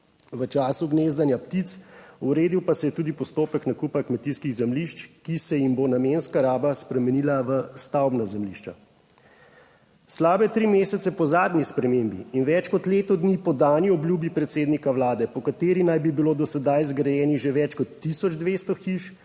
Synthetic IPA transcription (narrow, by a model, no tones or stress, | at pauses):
ʋət͡ʃaːsuɡneːzd̪anjapt̪it̪suɾeːd̪iwpasɛjɛt̪uːd̪ipɔst̪oːpəknakupakmɛt̪iskiɣzɛmliʃt͡ʃkisɛjimbonameːnskaɾaːbaspɾɛmɛniːlaʋəst̪awbnazɛmliʃt͡ʃa | slaːbɛt̪ɾimeːsɛt̪sɛpɔzaːd̪nʲispɾɛmeːmbḭinʋɛt͡ʃkɔt̪leːt̪ɔd̪nipɔd̪aːniɔblʲjubipɾɛt̪seːd̪nikawlaːd̪ɛpɔkat̪eːɾinajbibiloːd̪ɔsɛd̪ajzɡɾɛjɛːniʒeʋɛt͡ʃkɔt̪ːisɔd͡ʒd̪ʋeːst̪ɔxiʃ